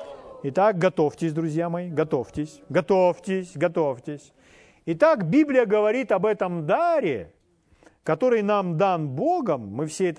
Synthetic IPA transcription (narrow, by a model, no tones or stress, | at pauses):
ɪt̪ak̚ɡɐt̪o̞ftʲɪsʲd̪ɾʊzʲjamɐjiɡɐt̪o̞ftʲɪsʲɡɐt̪oftʲɪsʲɡɐt̪oftʲɪsʲ | ɪt̪akbʲiblʲɪjəɡəvɐɾʲit̪ɐbɛt̪əmd̪aɾʲɪ̰ | kɐt̪o̞ɾɨjnamd̪anbo̞ɡəmːɨfsʲeɛt̪